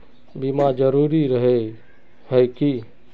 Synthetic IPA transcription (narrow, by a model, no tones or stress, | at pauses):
bimad͡ʒəɾuɾiɾəɦe | ɦəjki